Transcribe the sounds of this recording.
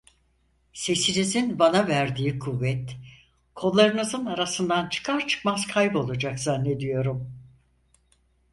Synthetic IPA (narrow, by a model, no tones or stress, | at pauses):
se̞sinizinbanavæɾd̪iːkʰuvːɛt̪ | kʰo̞lˠːaɾɯnɯzɯnaɾasɯnd̪ant͡ʃʰɯ̥kʰaɾt͡ʃʰɯ̥kmaz̥kʰajbo̞lˠud͡ʒakzanːe̞d̪ijo̞ɾum